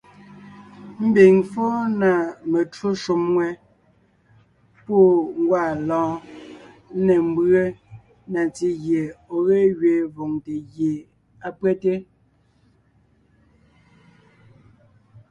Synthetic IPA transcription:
m̩˦be˨ŋfo˦na˨me˨tu˦ʃu˨mŋwɛ˦ | po˦˨ŋ˦ɡwa˦˨lɔ̃ː˨˦ | nɛ˨m̩˦bɰe˦ | na˨t͡si˦ɣje˨o˨ɣe˦ɣɥe˨vo˨ŋte˨ɣje˨ | a˦pwɛ˦te˦

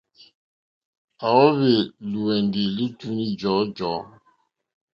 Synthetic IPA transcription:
a˨wɔ˦βe˨lu˨ɛ˨ndi˨li˦tu˦ni˦d͡ʒɔ˨˦d͡ʒɔ˨˦

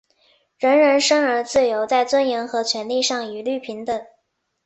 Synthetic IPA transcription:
ɻə˧˥nɻə˧˥nʂə˥ŋə˞˧˥t͡sɹ̩˥˩jo˧˥ʊt͡sa˥˩ɪt͡swə˥njɛ˧˥ŋxɤ˧˥t͡ɕʰɥɛ˧˥nli˥˧ʂɑ˥˩ŋy˨˩ly˥˩pʰi˧˥ŋt̪ə˩

